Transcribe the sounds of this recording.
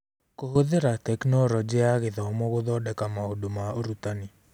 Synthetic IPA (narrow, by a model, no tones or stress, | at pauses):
koɦoðeɾat̪ɛknɔɾɔd͡ʒɛaɣɪðɔmɔɣʊðɔdɛkamaodomaoɾut̪ani